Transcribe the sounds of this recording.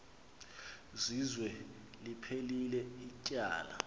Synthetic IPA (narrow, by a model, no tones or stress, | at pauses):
zizwɛ | lipʰelilɛicʼa̰ːla̰